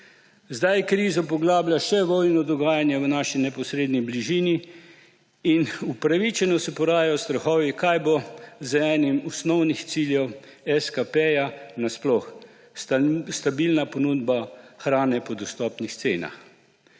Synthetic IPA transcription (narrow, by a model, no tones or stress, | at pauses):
zd̪ajkɾiːzɔpɔɡlaːblʲjaʃɛʋɔjnɔd̪ɔɡaːjanjɛʋnaːʃinɛpɔsɾeːd̪nibliʒiːni | inupɾaʋit͡ʃɛnɔsɛpɔɾaːjajɔst̪ɾɔxɔːʋikajbozəɛːnimɔsnɔwnixt̪siːljɛwɛskapɛjanasplɔx | st̪abilnapɔnuːd̪baxɾaːnɛpɔd̪ɔst̪ɔːpnixt̪sḛːna̰x